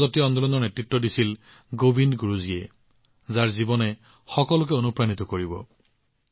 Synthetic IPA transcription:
zɔtijɔɔnd̪ɔlɔnɔɹnetɹitːɔdisil | ɡobinɡuɹuziɛ̰ | zaɹzibɔnɛ | xɔkɔlʊk̬ɛonupɹanitɔkoɹibɔ̰

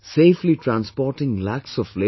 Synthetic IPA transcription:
seːfliʈɾæ̃nspɔːɾʈɪ̃ŋlæksɔfle

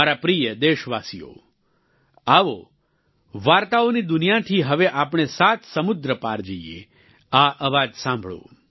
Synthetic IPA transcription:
aɾapɾijəd̪eʃʋasijo̰ | aʋo̰ | ʋaɾt̪aonid̪ʊnijat̪ʰiɦəʋeʔapɳ̃esat̪ʰsəmʊd̪ɾəpaɾd͡ʒəiḛ | aʔəʋad͡ʒsãmbʱɭo̰

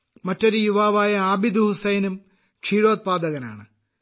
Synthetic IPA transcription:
mɐtːoɾujuʋaːʋaːjɐaːbid̪uhusɐjnum | kʂiːɻo̞ːd̪̚paːd̪ɐɣɐna̰ːɳɨ

